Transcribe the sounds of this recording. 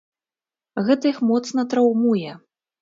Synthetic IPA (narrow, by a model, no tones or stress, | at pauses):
ɣɛt̪ɐixmɔt̪snɐt̪ɾawmujɛ